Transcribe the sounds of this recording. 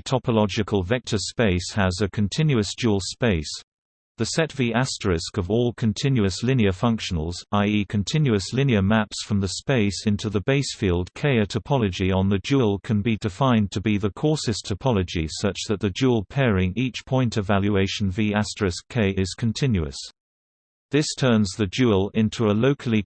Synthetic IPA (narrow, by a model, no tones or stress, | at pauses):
tʰɑpʰəlɑd͡ʒɪkʰəlˠvɛk̚tʰəspeɪshəzəkʰə̃ntʰɪ̃njʉəsd̥ʒ̥uːəlˠspeɪs | ðəsɛtv̥iæstɹɪskəvɔːlˠkʰə̃ntʰɪ̃njʉəslɪ̃niəfʌ̃ŋkʃən̩əlˠzaɪikʰə̃ntʰɪ̃njʉəslɪ̃niəmæpsfɹʌ̃mðəspeɪsɪ̃ntʰʉðəbeɪsfiːlˠd̚kʰeɪətʰəpʰɑlˠəd͡ʒiə̃nðəd͡ʒulˠkʰə̃nbidɪfãɪ̃ntʰəbiðəkʰɔˑsɨstʰəpʰɑləd͡ʒisʌt͡ʃðəʔ̪̚ðəd͡ʒuəlˠpʰɛːɹɪ̃ŋiˑt͡ʃpʰɔ̃ɪ̃ntəvaljueɪʃə̃n̩viæstɹ̥ɪskʰːeɪɪz̥kʰə̃ntʰɪ̃njʉə̰s | ðɪstʰɜːnzðəd͡ʒulˠɪ̃ntʰuəloʊkʰəl̩ˠi